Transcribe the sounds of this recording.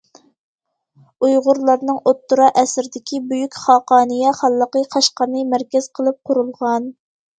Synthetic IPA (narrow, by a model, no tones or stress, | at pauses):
ujʁʊɾlˠɑɾnɨŋʔot̪ːuɾɑʔɛsɾɪd̪ɪkʲibyjykʲχɑqɑːnɨjɛχɑlˠːəqəqʰɑʃqɑɾnɨmæɾkʲɛz̥qʰəlˠɨp̚qʰʊɾulˠʁɑn